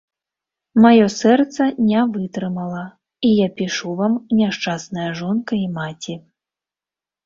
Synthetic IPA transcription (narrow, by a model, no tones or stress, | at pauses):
majɔsɛrt̪sɐnʲavɨt̪ɾɨmɐlˠɐ | ijapʲiʂuvamnʲaʂt͡ʂasnɐjɐʐɔnkɐimat͡sʲi